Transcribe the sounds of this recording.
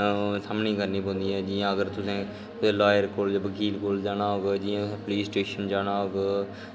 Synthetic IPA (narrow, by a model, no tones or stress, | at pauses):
səmnĩːkəɾniːbõːnd̪iːɛːd͡ʒɪjãːəɡəɾt̪ʊsẽː | laːjəɾkoːlbəkʰiːlkoːld͡ʒaːnaːɦoːɡeːd͡ʒɪːãːpliːsʈeːʃənd͡ʒaːnaːɦoːɡ